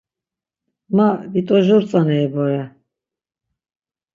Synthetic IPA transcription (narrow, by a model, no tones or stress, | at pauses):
mavit̪ʼɔʒɔɾt͡sʼanɛːbɔɾɛ